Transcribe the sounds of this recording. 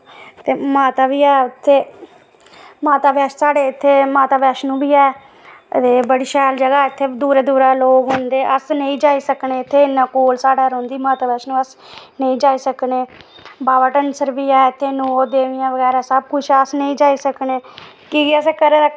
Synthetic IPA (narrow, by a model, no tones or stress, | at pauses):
t̪eːmaːt̪aːbiːɛːʊt̪ʰːeː | maːt̪aːbjɛːʃsaːɽeːɪt̪ʰːeːmaːt̪aːbjɛːʃnũːbiːɛː | t̪eːbəɽiːʃɛːld͡ʒəɡaːɪt̪ʰːeːd̪uːɾɛːd̪uːɾaːloːɡɦʊnd̪eːʔəsnəĩːd͡ʒaːiːsəkneːɪt̪ʰːeːɪnːãːkoːlsaːɽaːɾõːnd̪iːmaːt̪aːbɛːʃnũːəs | nəĩːd͡ʒaːiːsəkneː | baːʋaʈənsəɾbiːɛːɪt̪ʰːeːnoːd̪eːʋɪjãːʋəɡɛːɾaːsəb̚kʊt͡ʃʰɛːəsnəĩːd͡ʒaːiːsəkneː | kiɡɪəseːkəɾeː